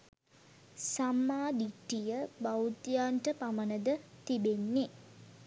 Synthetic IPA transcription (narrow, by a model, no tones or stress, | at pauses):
samːaːd̪iʈːijəbawt̪ijaːɳʈəpamənəd̪ət̪ibenːe